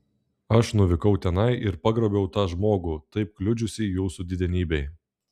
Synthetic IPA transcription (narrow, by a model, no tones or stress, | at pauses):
ɐʃnʊʋʲɪkɒʊt̪ʲɛnɐɪʔɪɾpɐɡɾoːbʲɛʊt̪ɑːʒmoːɡuːt̪ɐɪp̚klʲʊd͡ʒʲʊsʲijuːsud̪ʲɪd̪ʲɛnʲiːbʲɛɪ